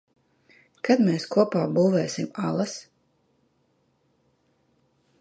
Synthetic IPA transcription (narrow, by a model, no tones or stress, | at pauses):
kad̪meːskuɔpaːbuːvɛːsimalˠas